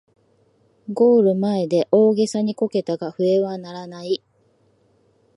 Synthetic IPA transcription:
ɡo̞ːɾɯ̟mae̞d̪e̞ʔo̞ːɡe̞saɲ̟iko̞ke̞t̪aɡaɸɯ̟e̞βanaɾanai

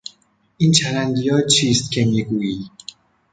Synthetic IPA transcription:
ʔiːnt͡ʃʰæɾænd̪ijɒːt͡ʃʰiːst̪̚cʲʰe̞miːɡuːiː

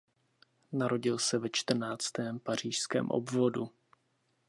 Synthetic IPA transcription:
naɾo̞ɟɪlsɛvɛt͡ʃt̪r̩naːt͡st̪ɛːmpar̝iːʃskɛ̰ːmʔo̰bvo̞du

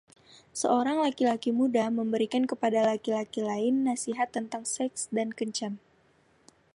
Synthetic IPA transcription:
səʔoɾaŋlakilakimudaməmbəɾikankəpadalakilakilaɪnːasiɦat̪ːənt̪aŋsɛksdankəɲt͡ʃam

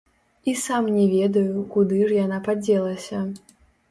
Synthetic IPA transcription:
isamnʲɛvʲɛd̪ɐjukud̪ɨʐjanapad͡zʲɛlˠɐsʲɐ

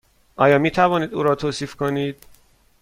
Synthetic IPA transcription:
ʔɒːjɒːmiːt̪ʰævɒːniːd̪uːɾɒːt̪ʰoːsiːfkʰoniːd̪̥

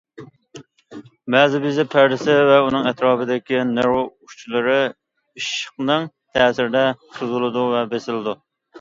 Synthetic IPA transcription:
mɛzɪbizɪpʰæɾd̪ɪsɪvɛunɨŋɛt̪ɾɑːbɨd̪ɪkʲinɛɾot͡ʃʰilˠɨɾɨ | iʃəqnɨŋ | t̪ʰɛːsɪɾɪd̪ɛsuzɨlˠɨd̪uvɛbesɪlɪd̪u

